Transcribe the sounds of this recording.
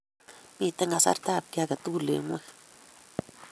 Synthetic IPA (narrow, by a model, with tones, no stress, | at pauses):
mi˦˨t̪e˦ŋɡa˨sa̰˦ɾt̪a˦˨b̚kʲa˦ɡa˨t̪u˦˨lḛ˨ŋwe˦